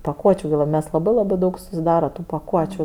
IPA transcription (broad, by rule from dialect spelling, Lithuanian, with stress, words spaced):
pɐˈkuɔt͡ʃʲʊ ɡʲɪ lˠɐp ˈmʲɛs lˠɐˈbɐɪ lˠɐˈbɐɪ dɐʊk sʊsʲɪˈdɑːrɐ tʊ pɐˈkuɔt͡ʃʲʊ